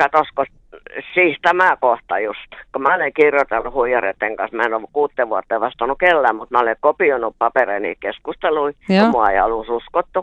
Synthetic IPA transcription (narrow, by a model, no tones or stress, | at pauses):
kɑt̪osko | siːht̪æmæˑkoht̪ɑjust̪komæoleŋkirjot̪elːuhuijɑrḛt̪ːeŋkɑ̰smæenokuːt̪ːeʋʋuɑt̪ːeːʋɑst̪ɑnukelːæːmmut̪mæolekopionuppɑpereinḭːt̪keskust̪eluijɑmmuɑeiɑlususkot̪ːu